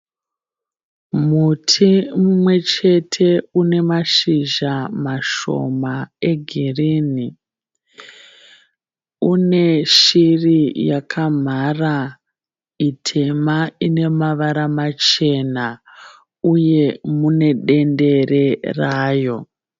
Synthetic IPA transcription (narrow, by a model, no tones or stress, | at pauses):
mutʰimumwe̞t͡ʃe̞tʰe̞une̞maʃiʒamaʃo̞̰mae̞ɡʱiriːni | une̞ʃirijakʰam̤ara | itʰe̞maine̞maʋaɾamat͡ʃe̞na | uje̞mune̞ɗe̞nde̞re̞raːjo̞